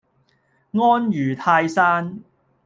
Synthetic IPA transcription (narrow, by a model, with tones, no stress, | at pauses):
ŋɔː˥njyː˨˩t̪ʰaː˧jsaː˥n